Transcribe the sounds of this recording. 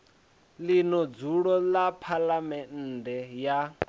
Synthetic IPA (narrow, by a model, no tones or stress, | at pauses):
linɔd͡zuɺɔlapʰalamɛn̩ːdɛja